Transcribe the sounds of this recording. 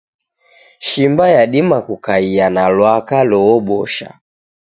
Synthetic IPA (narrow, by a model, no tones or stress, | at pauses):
ʃimbajaɗimakukaijanalwakalɔɔɓɔʃa̰